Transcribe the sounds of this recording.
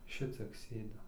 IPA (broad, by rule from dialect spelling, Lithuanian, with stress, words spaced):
ˈʃʲɪt͡sʲiɛk ˈsʲeːdʲɪm